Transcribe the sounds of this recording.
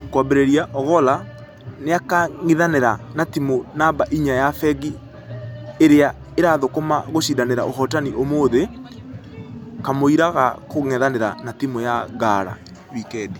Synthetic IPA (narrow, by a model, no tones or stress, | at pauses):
kwabeɾeɾiaʔɔɣɔla | neakaŋiðaneɾanatimonabaʔiɲajafɛɣi | eɾea | eɾaðokomaɣoɕidaneɾa̰oɦɔtaniʔomoːðe | kamoiɾaɣa̰koŋɛðaneɾa̰natimojaɣaɾa̰ | wikɛdi